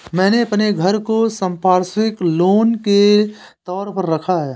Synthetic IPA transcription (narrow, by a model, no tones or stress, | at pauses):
mɛ̃ːneɐpneɡʱəɾkosə̃mpaːɾsɪkloːnke | t̪ɔːɾpəɾːɐkʰaɦɛː